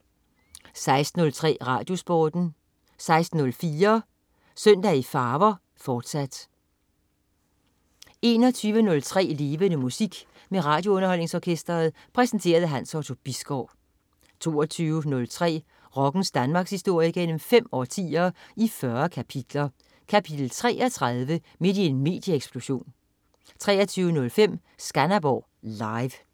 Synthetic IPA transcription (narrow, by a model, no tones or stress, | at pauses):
sɑ̈ɪsd̥n̩ɔ̽lt͡sʰʁɛ̰ːʁɑ̈ːd̥jo̝sb̥ɒːd̥n̩ | sɑ̈ɪsd̥n̩ːɔ̽lfiːɐ | sœn̰d̥æifɑ̈ːʋɐ | fɒːd̥sæd̥ | e̝ːnɒt͡sʰyːʋənɔ̽lt͡sʰʁɛ̰ːle̝ːʋənəmusiɡ̥ | meʁɑ̈ːd̥jo̝ɔ̽nɐhɒ̽l̰ne̝ŋsɒkʰesd̥ɐð̩ˠ | pʰʁɛsn̩t͡sʰe̝̰ːɐð̞̩ˠəɦæn̰sɒt͡sʰo̝b̥isɡ̥ɒʊ̰ | t͡sʰo̝̰ːɒt͡sʰyːʊənɔ̽lt͡sʰʁɛ̰ː | ʁɒ̽ɡ̥n̩sd̥ænmɑ̈ːɡ̥shisd̥o̝ɐ̰jəɡ̥en̰m̩fem̰ɒt͡sʰḭːɐifɶɐkʰæpʰid̥lɐ | kʰæpʰid̥l̩t͡sʰʁɛ̰ːɐt͡sʰʁɑðˠʋə | me̝d̥ie̝nme̝̰ːd̥jəeɡ̥sb̥lo̝ɕo̝̰ːn | t͡sʰʁɛ̰ːɐt͡sʰyːʊənɔ̽lfem̰ | sɡ̥ænæb̥ɒ̰ː | lɑ̈ɪʋ